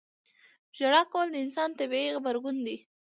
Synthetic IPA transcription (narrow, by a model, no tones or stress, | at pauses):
d͡ʒaɽɑkawəld̪əɪnsɑnt̪abiiɣabaɾɡund̪i